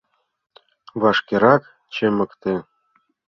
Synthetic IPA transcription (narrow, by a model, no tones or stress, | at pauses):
βɑʃkʲeɾɑk | t͡ɕĕmɤ̆kt̪ĕ